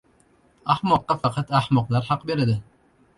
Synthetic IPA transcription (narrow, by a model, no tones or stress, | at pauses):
ahmɒqːɑfɑqʰɑt̪ahmɒqlˠaɾhɑqbeɾad̪ɪ